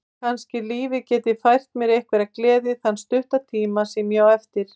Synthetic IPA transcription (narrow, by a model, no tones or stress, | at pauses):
kʰanscɪliːvɪcɛːt̪ɪfajr̥t̪mjɛɾejhkvɛɾaklɛːðɪθanːst̪ʏht̪at̪ʰiːmasɛmjawɛft̪ɪɾ̥